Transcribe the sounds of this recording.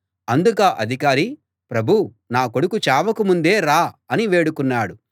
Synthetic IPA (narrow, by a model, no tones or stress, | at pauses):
ɐnd̪ukaːʔɐd̪ʱikaːɾi | pɾɐbʱu | naːko̞ɽukut͡ʃaːʋɐkumund̪e̞ːɾaːɐniʋe̞ːɽukunːaːɽu